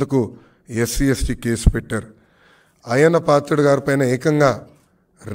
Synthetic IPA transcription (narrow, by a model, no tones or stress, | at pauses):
d̪uku | esiesʈiːke̞ːsu̥peʈːaːɾu | ɐjɐnːɐpaːt̪ɾuɽɐɡaːɾipɐjnɐɛːkɐŋɡaː | ɾ